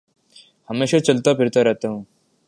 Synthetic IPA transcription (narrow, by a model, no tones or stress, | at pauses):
hɐmeːʃat͡ʃɐlt̪apʰɪɾt̪aɾɛɦt̪aɦũː